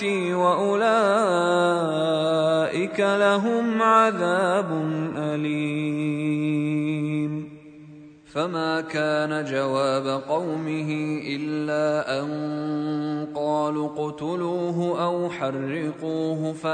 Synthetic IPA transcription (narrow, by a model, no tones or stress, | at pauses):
iːwaʔʊlaː | ʔɪkalaɦʊmʕaðaːbʊnʔali | m | famaːkaːnad͡ʒawaːbaqɑwmɪɦɪʔɪlːaːʔan | qɑːluqʊt̪ʊluːɦʊʔawħɑrːɪquːɦʊfa